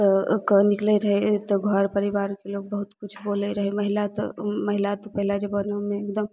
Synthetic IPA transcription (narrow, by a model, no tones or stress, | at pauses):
kənikləɾəɦet̪ɔɡʱɔɾpəɾibaɾkeloɡ̚bəɦut̪kut͡ʃʰboləɾəɦɛməɦilat̪ɔ̰məɦilat̪ɔpəɦilad͡ʒebənəmeekd̪əm